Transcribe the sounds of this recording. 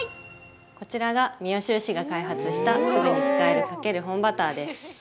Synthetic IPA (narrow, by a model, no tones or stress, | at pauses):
ko̞t͡ɕiɾaɡamʲio̞ɕɨːɕiɡakaiɦat͡sɨɕi̥t̪asoɾokɨ̥kaeɾɯkake̞ɾɯ̟ɦõ̞mbat̪aːd̪e̞sɨ̥